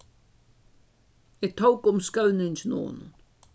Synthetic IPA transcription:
ɪt̪ʰowkʊmskawnɪŋsno̰ːn

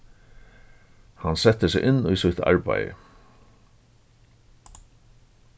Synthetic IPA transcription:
hansɛt̪ːəsɪɣʔɪnːujsʊjt̪a̰ɹpa̰jə̰

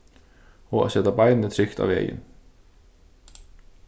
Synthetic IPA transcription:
ɔɣa̰ðsɛːt̪apajðnɪt̪ʰɾʏxt̪a̰vɛ̰ːjɪ̰n

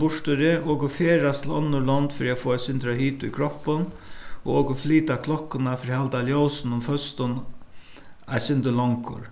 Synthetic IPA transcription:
bʊʂt̪ɪɾɪʔoːkʊfeːɾast̪ʰɪlɔ̰nːʊlɔnt̪fɪɾiafoːasɪnt̪ɾaɦiːt̪ʊjkʰɾɔhpːʊn | ɔ̰ɣoːkʊfliːt̪akʰlɔkːʊnafɪɾihalt̪aljowsnʊmfœst̪ʊn | asɪnt̪əlɔŋkʊ̰ɾ

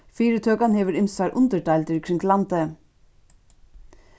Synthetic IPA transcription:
fiːɾət̪ʰøːkɑnheːʋəɾɪnsɑɾʔʉ̰nd̪əɖæɪlt̪əɾkʰɾɪŋɡlɑnt̪ə

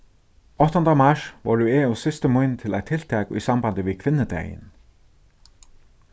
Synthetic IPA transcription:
ɔht̪ɔnt̪amaʂvɔɾʏeːusɪst̪ɪmujnt̪ʰɪla̰jt̪ʰɪl̥t̪ʰɛːkisampant̪ɪvɪðkʰvɪnːɪt̪ɛ̰jɪ̰n

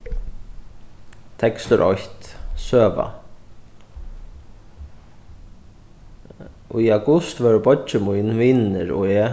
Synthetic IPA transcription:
t̪ʰɛkst̪ʏɾʔɔ̰ht̪søːʋa̰ | ʔɔiaɡʊst̪ʋɛːɾbɔt͡ʃəmujnʋiːnnɪɾɔ̰ɛː

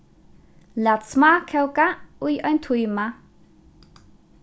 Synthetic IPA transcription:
lat̪smakʰɛwkaujɔjnt̪ʰujma

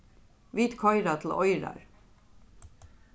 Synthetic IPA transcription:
ʋiːt̪kʰɔʏɾɑt̪ʰl̩ʔɔʏɾɑ̰ɹ

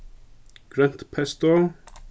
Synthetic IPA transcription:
ɡ̥ɾɛn̥t̪pʰɛst̪o

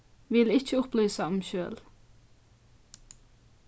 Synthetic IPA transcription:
ʋɪlɪc͡çəʊplyːsəɑmʃøːl

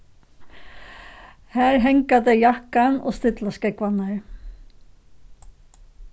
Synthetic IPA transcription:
hɛːɾɦɛŋkat̪ɛjahkanɔ̰ɣst̪ɪt̪laskɛkvanaɾ

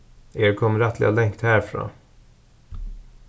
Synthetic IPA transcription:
eːɾkʰɔmːəɾat̪ʰlɪɡalɛŋkt̪hæːɾfɾo̰

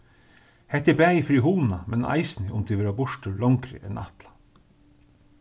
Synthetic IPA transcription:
hɛt̪ɪbæːɪfɾiːhuːn̩ɑmɛnʔɑ̰ɪsnɪʔʊmd̪iːʋɪlhɑːbʊʃʈəlɑŋkɾə̰ʔɛ̰nʔɑ̰t̪lɑ̥

